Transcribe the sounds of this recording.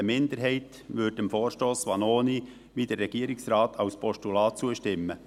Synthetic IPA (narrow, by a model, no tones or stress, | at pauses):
əmɪnd̪əɾɦɛɪt | ʋʏd̚d̥ɛmfoːɾʃtoːsʋɑnoːni | ʋiːd̥̪əɾːɛɡ̥iːəɾɪksɾɑːt̪ʰɑʊspʰɔʃtulɑːtt͡suəʃtɪmːə